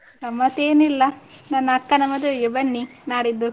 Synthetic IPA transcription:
nɐmːɐt̪eːnilːɐnɐnːɐɐkːɐnɐmːɐd̪ujubɐnːinaːɽid̪ːu

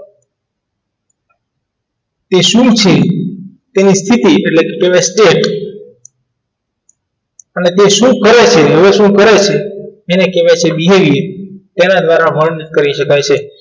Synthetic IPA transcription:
t̪eʃumt͡ʃʰe | t̪enist̪ʰit̪ieʈlekekeʋasʈeʈ | ənet̪eʃũkəɾet͡ʃʰeɦəʋeʃũkəɾet͡ʃʰeenekeʋjet͡ʃʰebiɦeʋiet̪enad̪ʋaɾaʋəɳkəɾiʃəkajt͡ʃʰe

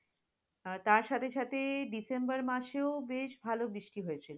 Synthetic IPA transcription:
t̪aɾʃat̪ʰeʃʰat̪ʰeɖisembaɾmaʃeobeʃbʱalobɾiʃʈiɦojet͡ɕʰilo

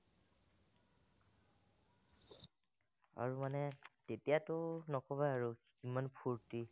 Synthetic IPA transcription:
a̰ɹumanɛtetijatʊnɔkɔbaaɹu | kimanpʰuɹti

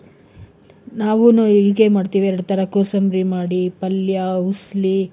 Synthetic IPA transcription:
naːʋunuiɡeːmaːɽt̪iːʋiɛɾɐɽut̪ʰɐɾɐkoːsɐmɾimaːɽipɐljausli

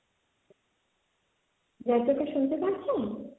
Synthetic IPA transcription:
d͡ʑad͡ʑokaʃunt̪epaɾt͡ɕʰe

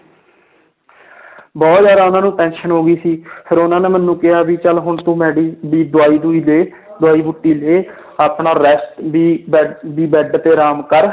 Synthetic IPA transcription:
bɔːt̪zjaːd̪aːʊnãːnũːʈɛ̃ːnʃənɦoːɡiːsiːpʰɪɾʊnãːnẽːmənːũːkɪɦaːbiːt͡ʃəlɦʊɳt̪ũːmɛːɽiːbiːd̪ʊaːiːd̪uːiːleː | d̪ʊaːiːbʊʈːiːleː | aːpɳaːɾɛsʈbiːbiːbɛːɖt̪eːɾaːmkəɾ

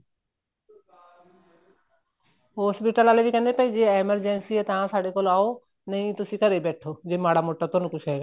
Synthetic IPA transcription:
ɦɔspiʈalalebikanepajd͡ʑeemaɾd͡ʑensiet̪ãsaɽekɔloao | nej̃t̪oʃikaɾebɛʈʰːod͡ʑemaɽamoʈːat̪onukuʃaɡa

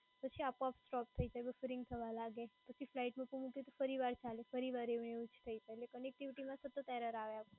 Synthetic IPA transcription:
pət͡ʃʰiapapsʈɔp̚t̪ʰəid͡ʒajbəfɾɪ̃ŋɡt̪ʰəʋalaɡepət͡ʃʰiflaiʈmukumũkjet̪ofəɾiʋaɾt͡ʃalefəɾiʋaɾeʋɳeut͡ʃʰt̪ʰəid͡ʒaelekənek̚ʈiʋʈimãsət̪ːət̪ɛɾəɾaʋjao

